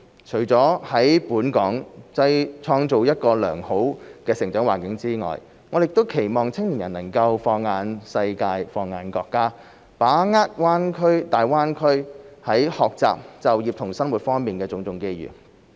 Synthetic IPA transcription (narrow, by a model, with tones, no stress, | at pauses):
t͡ʃʰɵ˨˩ɥt͡sɔː˨˥hɐ˨˥jpuː˨˥nkɔː˨˥ŋt͡sɐ˧jt͡ʃʰɔː˧ŋt͡so˨wjɐ˥t̚kɔː˧lœː˨˩ŋho˨˥wkɛː˧sɪ˨˩ŋt͡ʃœː˨˥ŋwaː˨˩nkɪ˨˥ŋt͡siː˥ŋɔ̰ː˨˩j | ŋɔː˨˧jɪ˨k̚t̪o˥wkʰe˨˩jmɔː˨ŋt͡sʰɪ˥ŋliː˨˩njɐ˨˩nːɐ˨˩ŋkɐ˧wfɔː˧ŋːaː˨˧nsɐ˧jkaː˧jfɔː˧ŋːaː˧nkɔː˧kːaː˥ | paː˨˥ŋaː˥t̚waː˥nkʰɵ˥ɥt̪aː˨jwaː˥nkʰɵ˥ɥhɐ˨˥jhɔː˨k̚t͡sa̰ː˨p̚t͡sɐ˨wjiː˨p̚t̪ʰʊ˨˩ŋsɐ˥nwuː˨˩t̚fɔː˥ŋmiː˨nkɛː˧t͡sʊ˧ŋt͡sʊ˧ŋke˥jjy̰ː˨˩